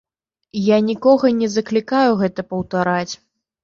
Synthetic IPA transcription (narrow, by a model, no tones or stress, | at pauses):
janʲikɔɣɐnʲɛzɐklʲikajuɣɛt̪ɐpɐwt̪aɾat͡sʲ